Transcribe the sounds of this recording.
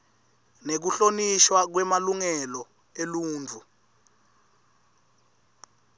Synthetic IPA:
nek̬uɬoniʃwak̬wɛmaluŋɛlɔ | eluːnd͡vʱu

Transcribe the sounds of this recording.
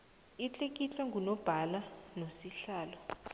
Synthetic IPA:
it͡ɬʼek̬ʼit͡ɬwaŋɡunɔb̥ʱalanosiɬaːlɔ

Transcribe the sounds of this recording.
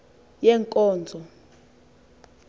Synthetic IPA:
jɛŋkʼɔːnd͡zʱɔ

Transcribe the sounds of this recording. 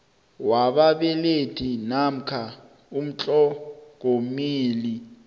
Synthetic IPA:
waɓaɓɛletʰinam̩kʰa | um̩t͡ɬʼɔk̬omiːli

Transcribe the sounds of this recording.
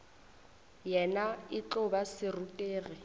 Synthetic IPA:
jɛnaɪt͡ɬʊbasɪrutʼeːɣɪ

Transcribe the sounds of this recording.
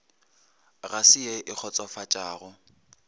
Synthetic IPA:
ɣasɪjeʔɪk͡xʰɔt͡sʼɔfat͡ʃʼaːɣʊ

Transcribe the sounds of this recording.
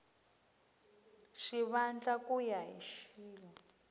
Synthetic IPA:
ʂiβand͡ɮakujaḭʃiːlɔ

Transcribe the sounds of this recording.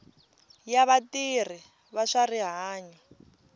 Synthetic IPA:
jaβatir̤i | βaʂariɦaːɲɔ

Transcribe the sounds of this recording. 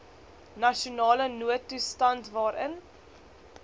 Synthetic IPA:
nɐʃunɑːlənuətːustɐntvɑːɾʔən

